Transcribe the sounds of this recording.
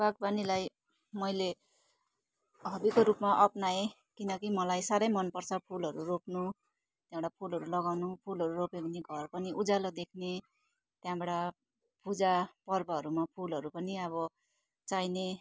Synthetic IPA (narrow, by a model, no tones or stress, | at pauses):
bak̚banilaj | mʌjle | ɦʌbikoɾupmaʔʌpnae | kinʌkimʌlajsaɾʌjmʌnpʌrt͡sʰʌpʰulɦʌɾuropnu | t̪jãbɽapʰulɦʌɾulʌɡawnupʰulɦʌɾuropeɡneɡʱʌrpʌniʔud͡zalod̪ekʰne | t̪jãbʌɽa | pud͡zapʌrbʌɦʌɾumapʰulʌɾupʌniʌβʌ | t͡sajne